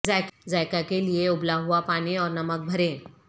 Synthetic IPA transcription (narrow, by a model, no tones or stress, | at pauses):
zaːkzaːjkakelieʊblaɦuapaːniɔːɾnɐmək̚bʱɐɾẽː